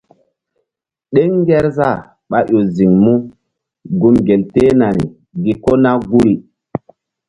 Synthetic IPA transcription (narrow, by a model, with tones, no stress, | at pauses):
ɗe˦ŋː˦ɡɛ˦ɾza˦˨ | ɓa˨ʔo˨zi˨ŋmu˦ | ɡu˦mɡe˨lte˦na˨nḭ˨ | ɡi˨ko˦na˦ɡu˦ɾi˨